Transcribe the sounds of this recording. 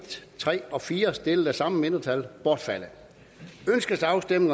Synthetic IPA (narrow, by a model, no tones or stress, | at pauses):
t͡sʰʁɛ̰ːɒ̽fiːɐsd̥e̝ləð̩æsɑ̈məme̝n̥ɐt͡sʰælb̥ɒd̥fælə | ønsɡ̥əsɑ̈ʊsd̥em̰nŋ